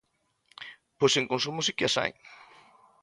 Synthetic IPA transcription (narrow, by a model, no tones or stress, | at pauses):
posẽŋkõns̬umʊsikɪasa̰j